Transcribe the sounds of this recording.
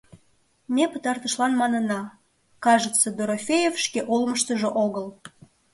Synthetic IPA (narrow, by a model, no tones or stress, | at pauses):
mʲepət̪ɑrt̪əʃlɑnmɑnənɑ | kɑʒət͡sːəd̪oɾofʲejefʃkeʔolməʃt̪əʒoʔoɣəl